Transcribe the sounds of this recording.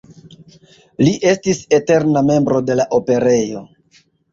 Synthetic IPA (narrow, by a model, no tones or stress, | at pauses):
liʔe̞stise̞te̞ɾname̞mbɾo̞de̞laʔo̞pe̞ɾe̞jo̞̰